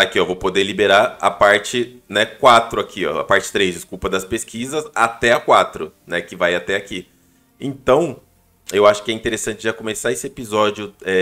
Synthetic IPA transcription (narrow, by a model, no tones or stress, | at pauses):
t̪akɪɔvowpod̪elibeɾaɾa̰paɾt͡ʃɪnɛkwat̪ɾʊakʰiɔ̰a̰paɾt͡ʃɪ̥t̪ɾezd͡ʒɪskupɐd̪ɐspeskizɐsat̪ɛakwat̪ɾʊnɛkɪvajat̪ɛaki | ẽt̪ɐ̃w̃ | ewaʃʊ̥kɪɛĩt̪eɾesɐ̃nt͡ʃɪʒakõmesaesɪepizɔd͡ʒiʊɛ